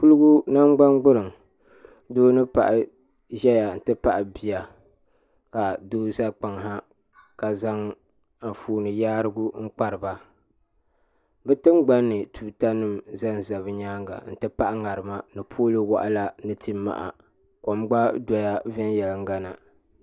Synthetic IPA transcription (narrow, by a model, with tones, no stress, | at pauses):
pu˦lɨ˦ɡu˦na˦mɡ͡ba˦ŋɡ͡bʊ˦ɾɨ˨ŋ | doː˦nɨ˦pa̰˨ʔɪ˨ | ʒɛ˦ja˨n̩˨tɨ˦pa˦ʔɪ˨bi˨ja˨ | ka˨doː˦za˦k͡pa˨ŋɦa˦ | ka˨za˦ŋ | a˨fuː˨˦nɨ˨jaː˦ɾɨ˦ɡu˦ŋ̩˦k͡pa˦ɾɨ˨ba˦ | bɛ˦tɨ˦mɡ͡ba˦nːɨ˨tʰuː˨ta˦nɨ˦mza˦n˨za˨βɨ˦ɲaː˦ŋɡa̰˨n̩˨tɨ˦pa˦ʔa˦ŋa˨ɾɨ˨ma˦nɨ˨pʰoː˦lɨ˦wa̰˨ʔa˦la˦nɨ˦tʰi˦mːa̰˨ʔa̰˨ | ko˨mɡ͡ba˦da˨ja˦vɛ˦njɛ˨lɨ˨ŋ˦ɡa˦na˨